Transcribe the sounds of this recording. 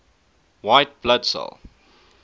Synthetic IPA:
waɪt̚b̥ladsɔ̰lˠ

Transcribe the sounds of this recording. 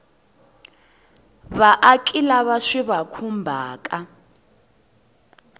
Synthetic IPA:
βaʔakʼilaβaʂiβakʰumbʱa̰ːkʼa

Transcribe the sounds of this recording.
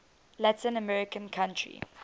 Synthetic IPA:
latɪ̃nəmɛɹɪkə̃nkʰãntʰɹḭ

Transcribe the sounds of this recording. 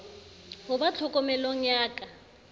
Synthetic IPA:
hʊbat͡ɬʰɔkʼɔmɛlɔŋ̩jaːkʼa

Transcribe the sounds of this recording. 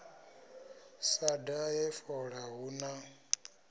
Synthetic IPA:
sadajɛfɔɺaɦuna

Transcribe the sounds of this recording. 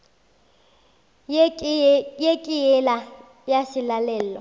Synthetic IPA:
jekʼijɛla | jasɪlalɛːlɔ

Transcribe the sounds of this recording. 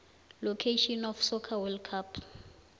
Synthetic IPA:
lokʰeʃɔnɔfsɔkʰawɛlkʰap

